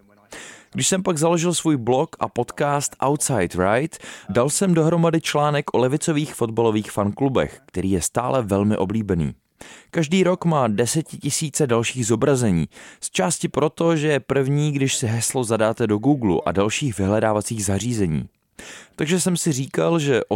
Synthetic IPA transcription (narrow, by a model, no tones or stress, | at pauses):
ɡdɪʃsɛmpaɡzalo̞ʒɪlsvuːjblo̞kʔa̰po̞t̪kaːst̪ʔawt̪sajt̪ɾajt̪dalsɛmdo̞ɦɾo̞madɪt͡ʃlaːnɛkʔolɛvɪt͡so̞viːxfo̞d̪̚balo̞viːxfanklubɛ̰xkt̪ɛɾiːjɛst̪aːlɛvɛlmɪʔo̞bliːbɛnḭː | kaʒdiːɾo̞kmaːdɛsɛcɪcɪsiːt͡sɛdalʃiːɣzo̞bɾazɛɲḭːst͡ʃaːscɪpɾo̞t̪o̞ʒɛjɛpr̩vɲiːɡdɪʃsɪɦɛslo̞zadaːt̪ɛdo̞ɡuːɡlṵʔa̰dalʃiːxvɪɦlɛdaːvat͡siːɣzar̝iːzɛɲḭː | t̪aɡʒɛsɛmsɪriːkalʒɛʔo